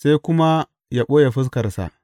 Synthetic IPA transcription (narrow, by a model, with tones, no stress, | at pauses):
sa˦jkʷʊ˦ma˦ | ja˦ɓoː˦ja˨ɸʊ˦s̬kɐ˨rsa̰˨ʔ